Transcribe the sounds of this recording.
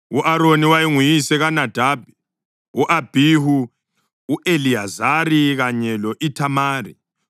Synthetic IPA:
uʔaɾoniwajiŋujisɛɣanad̥ʱaːb̥ʱɛ | uʔab̥ʱihuː | ʔeliazaɾiɣaɲɛlɔʔitʰamaːrḭ

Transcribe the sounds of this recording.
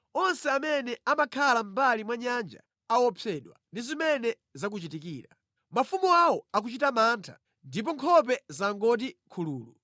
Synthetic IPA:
ɔnsɛamɛnɛamakʰalam̩balimwaɲand͡ʒa̰ | awɔpʰɛɗwa̰ndizimɛnɛ | zak̬ut͡ʃitikiːɾa | mafumuawɔak̬ut͡ʃitamaːntʰḁ̰ | ndip̬ɔŋkʰɔp̬ɛzaŋɡɔt̬ikʰuluːlu

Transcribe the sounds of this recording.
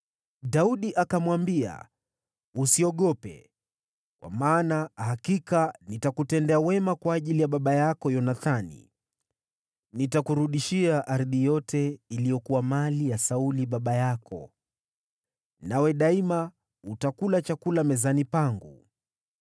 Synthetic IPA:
ɗauɗiʔakamwambia̰ | usiɔɠɔpɛ̰ | kwa̰maːnahakikanitakutɛndɛawɛmakwaːʄilijaɓaɓajakɔjɔnaθanḭ | nitakuɾuɗiʃiaʔaɾðijɔtʰɛilijɔkuwamalijasauliɓaɓajakʰɔ̰ | nawɛɗaima | utakulat͡ʃakulamɛzanipaŋɡṵ

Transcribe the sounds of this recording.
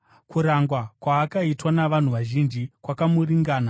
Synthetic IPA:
kuɾaŋɡwakwaːkaitwanaʋan̤uʋaʒind͡ʒikwakamuriŋɡaːna

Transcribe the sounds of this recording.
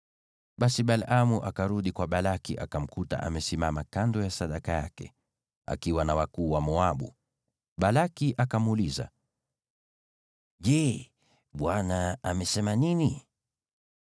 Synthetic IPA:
ɓasiɓalʔamuʔakaɾuɗikwaɓalakiʔakam̩kuta̰ʔa̰mɛsimamakandɔjasaɗakaja̰kɛ̰ | a̰kiwanawakuːwamɔaɓṵ | ɓalakiʔakamuliza̰ | ʄɛ | ɓwanaamɛsɛmanini

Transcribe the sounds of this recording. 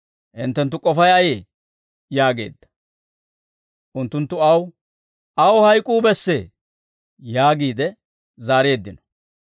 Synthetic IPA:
ʔɪnt̪ːɛnt̪̬ːʊkʼɔfɐjɐjeː | jaːɡe̞̰ːd̪ːɐ̥ | ʔʊnt̪ːʊnt̪ːʊɐw | ʔɐwɔhɐjkʼuːbɛsːeː | jaːɡiːd̪ɛ | zaːɾe̞ːd̪ːɪnɔ̥

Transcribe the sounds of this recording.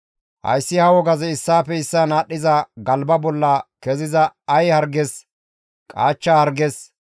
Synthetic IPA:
hɐ̰jsːɪhɐwɔɡɐzɛɪsːaːpɛɪsːanaːɗːɪzɐɡɐlbɐbɔlːɐkɛzɪzɐɐjhɐɾɡɛs | kʼaːt͡ʃːɐhɐɾɡes

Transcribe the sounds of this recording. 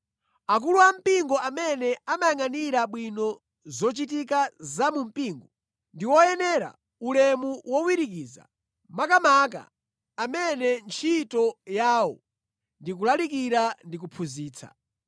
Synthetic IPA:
ak̬uluam̩piŋɡɔʔamɛnɛamajaŋaniɾaɓwinɔ | zɔt͡ʃitik̬azamum̩piːŋɡɔ | ndiwɔjɛnɛɾa̰ | ulɛmuwɔwiɾik̬iːza̰ | makamak̬a̰ː | mɛnɛnt͡ʃʰitɔjaːwɔ̰ | ndik̬ulalik̬iɾandik̬upʰuziːt͡sʰa̰

